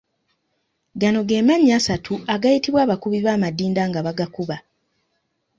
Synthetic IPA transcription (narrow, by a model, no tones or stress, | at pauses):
ɡano̞ɡe̞ːmaɲasatʰuaɡajitiβwaːβakuβiβaːmadiːndaːŋɡaβaɡakuβa